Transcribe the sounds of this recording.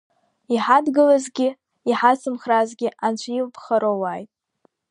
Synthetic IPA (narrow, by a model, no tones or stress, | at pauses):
iħadɡɨlazɡʲɪ | iħat͡sʰɨmχrazɡʲɪant͡ʃʷʰjilpʰχaɾowajtʼ